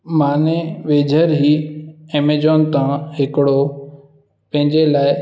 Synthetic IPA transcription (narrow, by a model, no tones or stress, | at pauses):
maːneʋeːd͡ʑʱəɾɦiemed͡ʑɔːnt̪ãɦɪkɪɽo | pɐ̃ɦɪ̃ɲd͡ʑelaːɪ